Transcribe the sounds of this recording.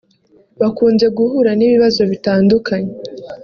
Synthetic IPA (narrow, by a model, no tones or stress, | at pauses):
βakuːnze̞ɡuhuɾaniβiβazo̞βitaːndukʰaɲe